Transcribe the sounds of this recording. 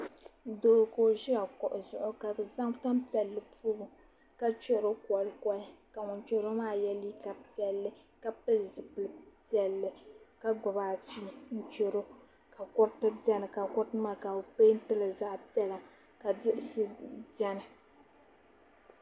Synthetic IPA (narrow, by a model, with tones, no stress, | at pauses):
doː˨ko˨ʒɪ˦a˨kɔ˨ʔʊ˨zʊ˨ʔʊ˨ka˨bɨ˨za˦ŋta˦mpi˨ɛ˨lːɨ˨puː˦bʊ˨ | ka˦t͡ʃo˦˨ɾo˦kɔ˨lkɔ˦ɪ˦ka˨ŋʊ˨nt͡ʃo˦ɾo˦maː˦jɛ˦liː˦ka˨pi˦ɛ˨lːɨ˦ | ka˦pɨ˦lzɨ˨pɨ˨lɨ˨pi˦ɛ˨lːɨ˨ka˦ɡ͡bʊ˨baː˨fi˦n̩˦t͡ʃo˦ɾo˦ | ka˨kʊ˦ɾtɨ˦bjɛ˦nɨ˨ka˨kʊ˦ɾtɨ˦maː˦ka˨o˨peː˦n̩˦tɨ˦lɨ˨za˦ʔpi˦ɛ˦la˨ | ka˨dɪ˦ʔsɨ˦bɛ˦nɨ˨